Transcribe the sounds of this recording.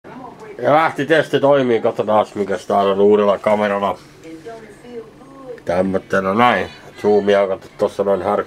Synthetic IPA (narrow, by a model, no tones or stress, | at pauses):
jɑlæht̪it̪est̪it̪oimˑiːkot̪ːɑt̪ɑːsmiŋkæst̪æːlonuːrelːɑkɑmerɑlɑ | t̪æmːøt̪ːenɑnæˑisuːmiɑkɑt̪ːt̪t̪osːɑnoˑinʲhær